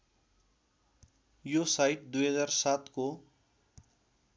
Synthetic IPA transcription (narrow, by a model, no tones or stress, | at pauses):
josajʈ̚d̪ujɦʌd͡zarsat̪ko